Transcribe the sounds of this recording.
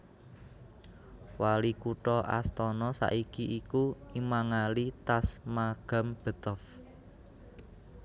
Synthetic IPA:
walikuʈɔʔa̰st̪ɔnɔsa̰ʔikiʔikuimaŋalit̪asmaɡ̥a̤mb̥ə̤t̪əf

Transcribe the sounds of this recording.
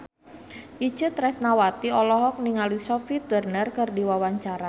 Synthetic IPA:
ʔi̥t͡ʃət̪ɾɛsnawat̪iɔlɔɦɔk̚niŋalisɔfit̪wərnərkɨrdiwawaɲt͡ʃaɾa

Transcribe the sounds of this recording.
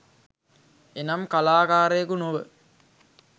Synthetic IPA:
enamkalaːkaːɾəjekunoʋə

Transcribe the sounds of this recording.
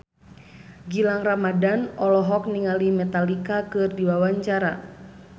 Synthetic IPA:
ɡilaŋramadanɔlɔɦɔk̚niŋalimɛt̪alikakɨrdiwawaɲt͡ʃaɾa

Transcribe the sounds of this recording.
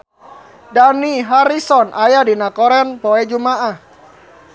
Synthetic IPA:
daniɦaɾisɔnʔajadinakɔɾɛnpɔɛd͡ʒumaʔah

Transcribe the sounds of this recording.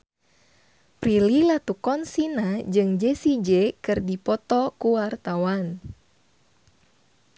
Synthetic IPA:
pɾililat̪ukɔnsinad͡ʒɨŋd͡ʒesid͡ʒɛkɨrdipɔt̪ɔkuwart̪awan

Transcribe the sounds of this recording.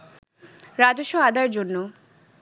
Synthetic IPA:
ɾad͡ʑoʃːoad̪aɾd͡ʑonːo

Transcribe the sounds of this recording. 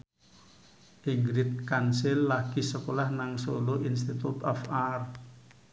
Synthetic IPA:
ʔiŋɡɾɪt̪̚kansɪlːaɡ̥isəkolahnaŋsoloʔinst̪it̪ut̪ɔfar

